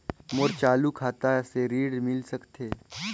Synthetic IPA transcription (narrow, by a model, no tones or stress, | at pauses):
mʊɾt͡ʃaːlukʰaːt̪aseɾiːɽmɪlsɐkt̪eː